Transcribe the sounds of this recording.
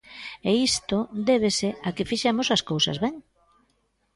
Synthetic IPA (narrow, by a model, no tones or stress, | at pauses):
eist̪od̪eβ̞esɪakɪfiʃemosɐskowsɐ̰zβɛŋ